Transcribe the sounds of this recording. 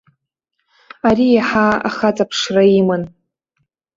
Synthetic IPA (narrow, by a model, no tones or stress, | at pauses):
aɾijaħaa̰χat͡sʼapʰʂraimɨn